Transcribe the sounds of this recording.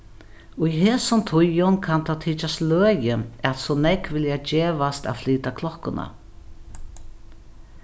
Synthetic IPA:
ʊjɦeːsʊmt̪ʰʊjʊnkʰant̪ʰawt̪ʰiːt͡ʃast̪løːjəɛt̪sɔnɛkʋɪljad͡ʒeːʋast̪a̰wfliːt̪akʰlɔkːʊna̰

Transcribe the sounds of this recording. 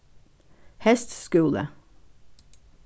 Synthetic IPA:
hɛst̪skʉlə̰

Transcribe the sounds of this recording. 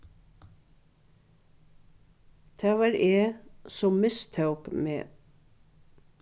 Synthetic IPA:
t̪ʰæːʋɑːɾʔeːsɔmmɪst̪ʰɑʉkmḛː

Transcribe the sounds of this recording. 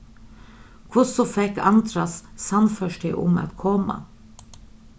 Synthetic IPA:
kʰʊsɔfɛkɑ̰nt̪ʰɾɑssɑnfœʃʈɪʔʊ̰mɑ̰t̪kʰɔmɑ̰

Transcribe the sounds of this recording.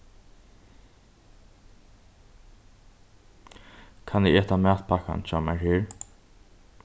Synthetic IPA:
kʰanɪɛːt̪amæːt̪pʰaka̰nt͡ʃamæɹheːɹ

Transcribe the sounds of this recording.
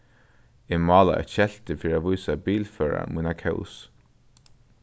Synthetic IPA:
ɪmɑːla̰ɛ̰t̪ʃɛl̥t̪ɪfiːɾaʋujsabiːlfœːɹa̰munakʰɛ̰ʊs

